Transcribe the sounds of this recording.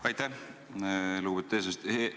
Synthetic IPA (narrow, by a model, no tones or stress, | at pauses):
ɑjt̪ːæh | luːbet̪ːeːs̬est̪ː